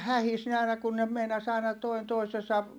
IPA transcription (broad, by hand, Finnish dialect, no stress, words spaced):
hæhis ne ɑˑi̯nɑ kun ne meinɑs ɑˑi̯nɑ toin toisesɑ